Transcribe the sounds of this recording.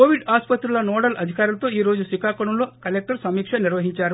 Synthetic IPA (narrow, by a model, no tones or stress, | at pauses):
koːʋiɖaːspɐt̪ɾulɐnoːɽɐlɐd̪ʱikaːɾulɐt̪o̞ːiːɾo̞ːd͡ʒusikaːkɐɳɐmlo̞ːkɐlek̚ʈɐɾsɐmiːkʂɐniɾʋɐɦiɲt͡ʃaːɾu